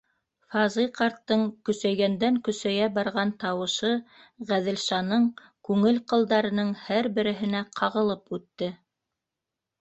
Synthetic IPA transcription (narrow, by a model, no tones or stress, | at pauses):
fɑzɤjqɑɾt̪ːɤɴkɵ̆sæjɡænd̪æŋkɵ̆sæjæbɑɾʁɑnt̪ɑwɤ̆ʃɤ | ʁæðɘ̆lʃɑnɤɴ | kʉŋɘlqɤ̆lˠd̪ɑɾɤ̆nɤɴhæɾbɘ̆ɾɘ̆ɦɘ̆næqʰɑʁɤ̆lˠɤpʉt̪ːɘ